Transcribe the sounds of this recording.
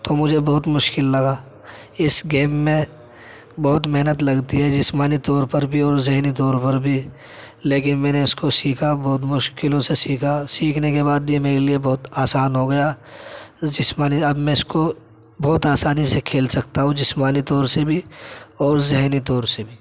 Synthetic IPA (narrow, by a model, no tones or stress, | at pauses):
t̪omʊd͡ʒʱebɐɦʊt̪mʊʃkɪlːɐɡaː | ɪsɡeːmːẽ | bɐɦʊt̪meɦnət̪lɐɡt̪iɦɛd͡ʒɪsmaːnit̪ɔːɾpɐɾbʱiɔːɾzɪɦnit̪̬ɔːɾpɐɾbʱi | leːk̬ɪnmɛ̃ːneʊskosiːkʰabɔːʊt̪mʊʃkɪlõsesiːkʰasiːkʰnekebaːd̪̚biemeːɾeliebɔɦt̪aːsaːnɦoɡɐja | d͡ʒɪsmaːniɐbmɛ̃ɪsko | bɔːt̪aːsaːnisekʰeːlsɐkt̪aɦũd͡ʒɪsmaːnit̪ɔːɾsebʱiɔːɾzɪɦnit̪ɔːɾsebʱiː